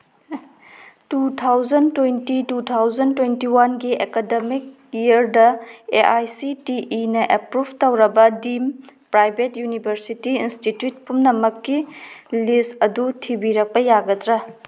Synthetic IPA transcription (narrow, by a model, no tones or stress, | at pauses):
tutʰawd͡ʒɐntwejntitutʰawd͡ʒɐntwentiwanɡiʔekademik̚ | iɐɾdɐeʔajsitiʔːnɐʔepɾubʱtɐwɾɐbɐdimpɾajbʱetjunibʱɐɾsitiinstitjut̚pumnɐmɐkːilistɐdutʰibiɾɐk̚pɐjaɡɐtɾɐ